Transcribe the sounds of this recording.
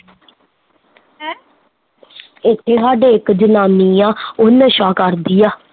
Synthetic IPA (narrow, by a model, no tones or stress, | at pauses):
ɪt̪ʰːeːsaːɖeːɪkd͡ʒənaːniːãːʊnəʃaːkəɾd̪ijaː